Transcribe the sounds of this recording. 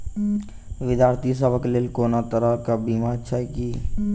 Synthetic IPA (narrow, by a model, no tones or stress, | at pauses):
ʋɪd̪jaːɾt̪ʰisəbəklelkonat̪əɾəkabimat͡ʃʰaki